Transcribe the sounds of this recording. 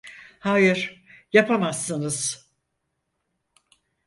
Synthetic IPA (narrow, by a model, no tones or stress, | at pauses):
haːjiɾ̥japʰamasːɯnɯz̥